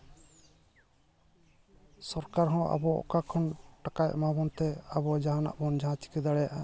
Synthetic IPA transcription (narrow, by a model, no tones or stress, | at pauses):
sɔɾkaɾɦɔ̃ʔa̰bɔɔ̰kakʰɔnʈakajʔmabɔnt̪ɛabɔd͡ʒaɦana̰ʔbɔnd͡ʒaɦãt͡ʃi̥kɛd̪aɽɛjaʔa